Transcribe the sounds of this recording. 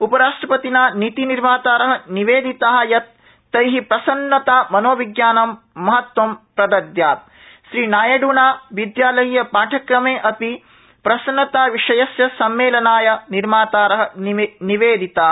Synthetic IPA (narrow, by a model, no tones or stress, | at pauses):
upɐɾaːʂʈɾɐpɐt̪inaːnit̪iniɾmaːt̪aːɾɐɦɐ̆niʋeːd̪it̪aːɦɐjɐt̪̚ː | ɐjɦipɾɐsɐnːɐt̪aːmɐnoːʋiɡjaːnɐmː | ɐɦɐt̪wɐmpɾɐd̪ɐd̪jaːt̪̚ | ʃɾiːnaːjɐɖunaːʋid̪jaːlɐjːɐpaːʈʰɐkɾɐmeːʔɐpi | pɾɐsɐnːɐt̪aːʋiʂɐjɐsjɐsɐmːeːlɐnaːjɐniɾmaːt̪aːɾɐɦɐ̆nniʋeːd̪ʱit̪aː